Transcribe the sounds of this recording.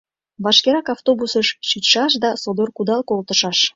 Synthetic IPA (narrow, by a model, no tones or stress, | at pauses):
βɑʃkeɾɑkɑft̪obusəʃʃit̪ʃɑʃd̪ɑsod̪orkud̪ɑlkolt̪əʃɑʃ